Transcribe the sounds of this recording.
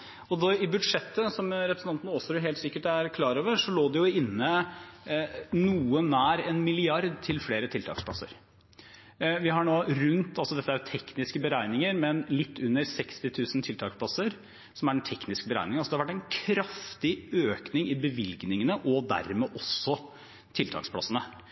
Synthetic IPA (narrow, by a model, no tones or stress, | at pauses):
ɔd̪ɛɪbʉd̪ʂɛt̪ːəsɔmɾɛpɾəsn̩t̪ɑnt̪nəɔsɔɾʊɦeːlsɪkːəʈæɾkʰlɑːɾoːʋəɾʂɔloːd̪ɛjʊɪnːə | nuːənæːɾɛnmɪlɪɑɾd̪t̪ʰɪlfleːɾət̪ʰɪlt̪ʰɑ̰ːkspʰlɑ̰sə̰ɾ | ʋɪɦɑɳoːɾʉnt̪ɑlsɔd̪ɛt̪ːəæɾjʊt̪ʰɛknɪskəbəɾæɪnɪŋəɾmɛnlɪt̪ʰːʉnːəɾsɛkst̪ɪt̪ʰʉːsnt̪ʰɪlt̪ʰɑːkspʰlɑsəɾ | sɔmæɾɖɛnt̪ʰɛknɪskəbəɾæ̰ɪnɪŋɑsɔd̪ɛhɑʋæʈːæɪnkʰɾɑft̪ɪøːknɪŋɪbəʋɪlɡnɪŋənəʔɔd̪æ̰ɾmeːʔɔsːɔ | t̪ʰɪlt̪ʰɑ̰ːkspʰlɑ̰sənə